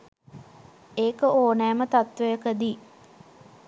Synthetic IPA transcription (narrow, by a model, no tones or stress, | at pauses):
eːkəʔoːnæːmət̪at̪ʋəjəkəd̪i